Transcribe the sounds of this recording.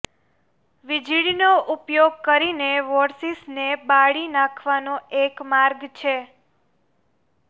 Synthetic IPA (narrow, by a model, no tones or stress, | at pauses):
ʋid͡ʒiɭinoʔupjoɡ̚kəɾineʋɔɾsisnebaɭinãkʰʋanoekmaɾɡt͡ʃʰe